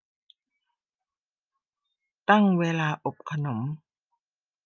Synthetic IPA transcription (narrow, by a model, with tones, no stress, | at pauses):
t̪a˥˩ŋweː˧laː˧ʔo˨˩p̚kʰa˧no˩˦m